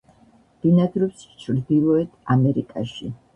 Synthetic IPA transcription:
d̪̥inad̪ɾɔpst͡ʃʰɾd̪ilˠɔɛt̪ʰamɛɾikʼaʃi

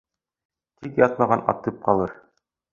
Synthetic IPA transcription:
t̪ikjɑt̪̚mɑʁɑnɑ̰t̪ɤp̚qɑlˠɤɾ

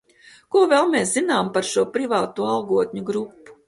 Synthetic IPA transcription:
kuɔvɛlˠmeːszinaːmpaɾʃuɔpɾivaːt̪uːɑlˠɡuɔt̪ʲɲuɡɾupːu̥

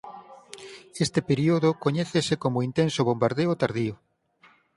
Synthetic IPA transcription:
est̪epeɾioðokoɲɛθesekomoint̪ensoβombaɾðeot̪aɾðiʊ

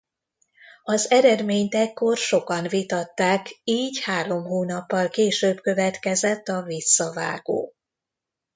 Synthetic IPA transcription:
ɒzɛɾɛd̪meːɲt̪ɛkːo̞rʃo̞kɒnvit̪ɒt̪ːaːkiːɟhaːɾo̞mɦoːnɒpːɒlkeːʃøːbkø̞vɛt̪kɛzɛt̪ːɒvisːɒva̰ːɡ̥o̰ː

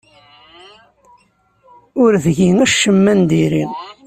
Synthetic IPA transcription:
ʊɾðʝinæʃːəmːænd̪iɾḭʁ

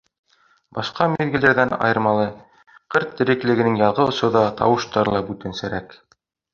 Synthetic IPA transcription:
bɑʃqɑmiðɡɘ̆læɾðænɑ̰jɤ̆ɾmɑlˠɤ | qɤɾt̪ːɘ̆ɾɘ̆klɘ̆ɡɘ̆nɘŋjɑlˠʁɤŏsŏðɑt̪ʰɑ̰wɤ̆ʃt̪ɑɾɤlˠɑbʉt̪ɘnsæɾæk

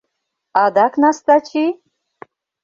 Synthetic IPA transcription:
ad̪aknast̪at͡ʃʰi

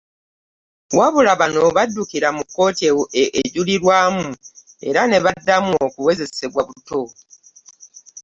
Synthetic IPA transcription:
waβulaβano̞βadːukiɾamukːo̞ːtieeʔːɟuliɾwaːmu | e̞̰ɾane̞βadːamuokuwe̞ze̞se̞βwaβuto̞

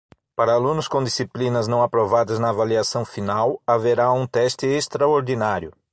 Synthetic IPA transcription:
paɾɐalũnʊskõd̪isiplĩnɐznɐ̃w̃apɾovad̪ɐznɐːvaliasɐ̃w̃finawaveɾaũt̪ɛst̪ɪest̪ɾaoɾd̪inaɾjʊ

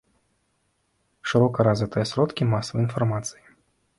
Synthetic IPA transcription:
ʂɨɾɔkɐɾazvʲɨt̪ɨjɐsɾɔt̪kʲimasəvɐinfɐrmat̪sɨji

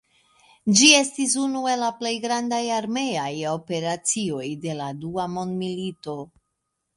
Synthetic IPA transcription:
d͡ʒie̞stis̬unue̞laple̞jɡɾandajaɾme̞ajo̞pe̞ɾat͡sio̞jde̞laduamo̞ndmilito̞

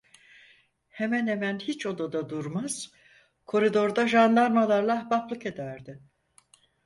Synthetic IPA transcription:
he̞mænhemænhit͡ʃo̞d̪ad̪ad̪uɾmaz̥ | kʰo̞ɾid̪o̞ɾd̪aʒanlˠaɾmalˠaɾlˠahbaplˠɯke̞d̪æɾd̪ɪ

